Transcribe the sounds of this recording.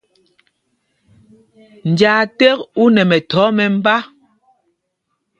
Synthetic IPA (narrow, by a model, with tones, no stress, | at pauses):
n̩˨d͡ʒaː˨tɛ˦ku˦nɛ˨mɛ˨tɔ˨˦mɛ˨m̩˦ba˦